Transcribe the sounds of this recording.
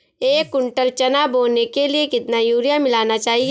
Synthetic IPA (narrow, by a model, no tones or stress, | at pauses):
eːkːʊɳʈəlt͡ʃɐnaːboːnekeliekɪt̪najuːɾijamɪlaːnat͡ʃaːɦie